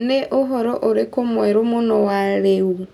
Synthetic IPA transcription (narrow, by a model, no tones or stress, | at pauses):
neʔoɦoɾoʔoɾekomweɾomonowaɾeu